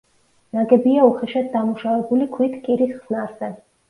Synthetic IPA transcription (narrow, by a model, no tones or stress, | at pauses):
naɡɛbiauχɛʃad̪̚d̪amuʃavɛbulikʰwit̪ʰkʼiɾisχz̥naɾz̥ɛ